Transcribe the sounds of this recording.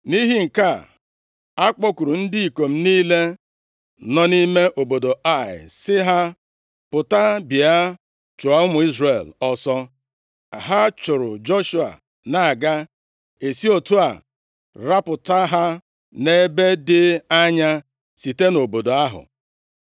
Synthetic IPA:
ni˦ɦi˦ŋ̩˨ka˦˨ | a˦k͡pɔ˦ku˨ɾu˨n̩˦dɪ˦i˨ko˨m̩˦niː˦le˦ | nɔ˦ni˦me˦ʔo˨bo˨do˨a˦˨ɪ̰˨sɪ˦ɦa˦ | pʊ˨ta˦bɪ˨a˦ | t͡ʃʊ˨a˦ʊ˦mʊ˨˦i˦zre˨lɔ˦sɔ˦˨ | ɦa˦t͡ʃʊ˨ɾʊ̰˨d͡ʒo˦ʃu˨a̰˨ | na˨a˨ɡa˦ | e˨si˦o˨tu˦a̰˨ | ɾa˦pʊ˨ta˦ɦa˦ | ne˦be˦dɪ˦a˦ɲa˦ | si˨te˦no˨bo˨do˨a˦ɦʊ̰˨

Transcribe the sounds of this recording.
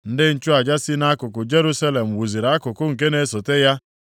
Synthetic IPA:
n̩˦dɪ˦n̩˨t͡ʃʊ˦a˨d͡ʒa˦si˦na˦kʊ˨kʊ˨d͡ʒe˦ɾu˦sa˦le˨m̩˨wu˨zi˨ɾa˨a˦kʊ˨kʊ˦ŋ̩˨ke˦ne˦so˨te˦ja˦

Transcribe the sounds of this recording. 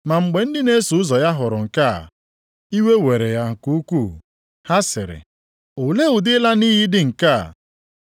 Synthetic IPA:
ma˨ŋ͡m̩˨ɡ͡be˨n̩˦dɪ˦ne˦su˨ʊ˦zɔ˨ja˦ɦʊ˨ɾʊ˨ŋ̩˨ka̰˦˨ | i˦we˦we˨ɾe˨ja˦˨ku˦u˦ku˦˨ | ha˦sɪ̰˨ɾɪ̰˨ | o˨le˦u˨dɪ˦la˦niː˦ɦi˦dɪ˦ŋ̩˨ka̰˦˨

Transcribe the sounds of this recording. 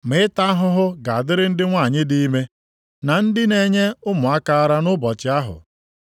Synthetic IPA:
mɪ˨˦ɪ˦ta˦a˦ɦʊ˦ɦʊ˦ɡa˨a˨dɪ˦ɾɪ˦n̩˦dɪ˦ŋʷa˦˨ɲɪ˦di˦i˦me˦ | na˨n̩˦dɪ˦ne˨˦ɲe˦ʊ˦mʊ˨a˦ka˦a˦ɾa˦nʊ˦bɔ˨t͡ʃɪ˨a˦ɦʊ̰˨

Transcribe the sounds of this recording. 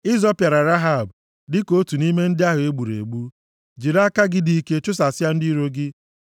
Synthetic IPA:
ɪ˦zɔ˦pja˨ɾa˨ɾa˦ɦa˦˨b | dɪ˦ko˦tu˨ni˦me˦n̩˦dɪ˦a˦ɦʊ˨e˦ɡ͡bu˨ɾḛ˨ɡ͡bu˦ | d͡ʒi˨ɾa˦ka˦ɡɪ˦di˦i˦ke˦t͡ʃʊ˦s̬a˨sɪ˦a˦n̩˦di˦ɾo˦ɡɪ˦

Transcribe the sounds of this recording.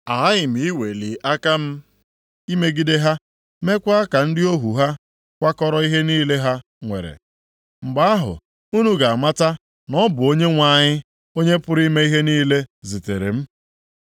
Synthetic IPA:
a˨a˦ɪ˨m̩i˨i˦we˨li˨ʔa˦ka˦m̩˦ | i˦me˦ɡi˦de˦ɦa˦ | me˦kʷa˦ka˨n̩˦dɪ˦o˦ɦu˨ɦa˦ | kʷa˦kɔ˦ɾɔ˦i˦ɦe˦niː˦le˦ɦa˦ | ŋʷḛ˨ɾḛ˨ | ŋ͡m̩˨ɡ͡ba˦a˦ɦʊ̰˨ | u˦nu˦ɡa˨a˨ma˦ta˦ | nɔ˦bʊ˨o˦ɲe˦ŋʷa˨ɲɪ˦ | o˦ɲe˦pʊ˦ɾi˦me˦i˦ɦe˦niː˦le˦zi˨te˨ɾḛ˨m̩˦

